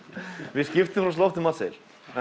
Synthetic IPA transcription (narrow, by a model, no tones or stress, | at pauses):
vɪscɪft̪ɪmfɾawst̪lɔft̪ɪmasɛl